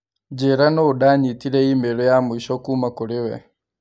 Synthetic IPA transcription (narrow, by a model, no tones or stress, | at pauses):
d͡ʒeɾanoudaːɲitiɾeimeɾojamuiʃokumakuɾɪwɛ̰